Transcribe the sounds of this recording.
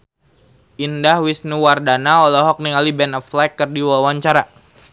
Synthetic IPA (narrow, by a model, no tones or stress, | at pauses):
ʔindahwisnuwardanaɔlɛɦɔk̚niŋalibɛnɔflakːɨrdiwawaɲt͡ʃaɾa